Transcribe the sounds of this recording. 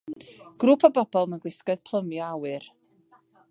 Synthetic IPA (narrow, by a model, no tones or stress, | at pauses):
ɡ̥rupʰəbɔbɔlˠmanɡwɪskɔd̥̚pʰlˠəmjɔawɨr